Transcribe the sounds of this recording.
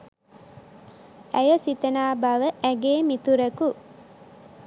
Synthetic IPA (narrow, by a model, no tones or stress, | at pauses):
æjosit̪ɐnaːbɐʋəʔæɡeːmit̪uɾɐku